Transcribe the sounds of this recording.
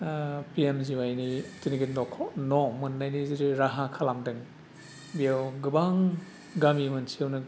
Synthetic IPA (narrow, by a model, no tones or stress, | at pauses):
piemziwajnitiniɡitnɔkʰɔnɔmɯnːajniziɾiɾaɦakʰalamdɯŋ | bijawɡɯbaŋ | ɡamimɯnsewnɯ